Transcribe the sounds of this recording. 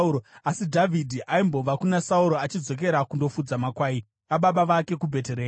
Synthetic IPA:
oasidʱavʱidʱiʔaimbo̞ʋakunasauɾo̞at͡ʃid͡zo̞k̬e̞ɾakundo̞fud͡zamakwaːi | ʋaɓaɓaʋake̞kubʱe̞te̞ɾe

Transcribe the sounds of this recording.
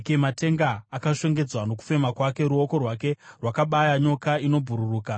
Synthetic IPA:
kematʰe̞ŋɡaːkaʂe̞ŋɡe̞d͡zwano̞k̬u̥fe̞makwake̞ɾuo̞ko̞rwake̞rwakaɓajaɲo̞kaino̞bʱuɾuruːka

